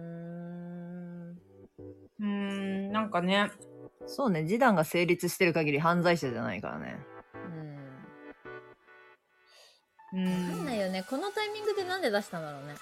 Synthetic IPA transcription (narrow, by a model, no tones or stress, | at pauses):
ɯ | ɯ̟̃nãŋkane̞so̞ːne̞d͡ʑid̪ãŋɡase̞ːɾʲit͡sɨɕi̥t̪e̞ɾɯ̟kaɡʲiɾʲiɦãnd͡zaiɕeʑa̰na̰ḭka̰ɾa̰nḛɯ̟ | ɯ̟̃ɴanːaijo̞neko̞no̞t̪aimʲĩŋɡɯ̟d̪e̞nãnd̪e̞d̪aɕi̥t̪ãnd̪aɾo̞ːne̞